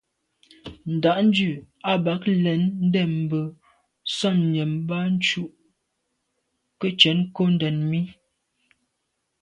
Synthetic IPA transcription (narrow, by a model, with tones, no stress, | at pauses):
n̩˨da˨ʔn̩˦d͡ʒʉ˦˨ | a˨˦ba˨˦klɛ˨˦n̩˦dɛ˦˨m̩˨bə˨ | sɔ˦˨mɲɛ˨mba˦n̩˦t͡ʃu˦ʔ | kə˦t͡ʃɛ˨˦nko˦n̩˦dɛ˨nmi˦